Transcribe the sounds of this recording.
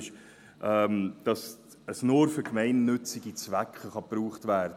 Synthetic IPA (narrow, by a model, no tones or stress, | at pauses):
ʃ | ʔɛmd̥ɑs | əsnoɾfʏkmɛɪnːʏt͡sɪɡit͡svækχəχɑpruːχtvæːɾdə